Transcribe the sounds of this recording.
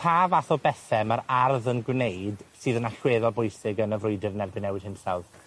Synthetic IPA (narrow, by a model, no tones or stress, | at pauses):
pʰaːvaθɔbɛθɛmaɾarðənɡwnejd̥sɨːðənaɬweːðɔlˠbʊjsɪɡənəvrʊjdɪðənɛrbɪnɛwɪd̥hɪnsalˠð